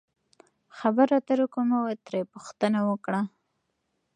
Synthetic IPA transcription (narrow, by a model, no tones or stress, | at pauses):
xabəɾat̪aɾukomawet̪ɾepuxt̪ənawəkɽa